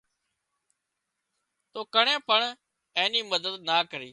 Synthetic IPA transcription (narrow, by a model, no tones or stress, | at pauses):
t̪oːkəɳẽːpəɳ | ẽːniːməd̪əd̪naːkəɾiː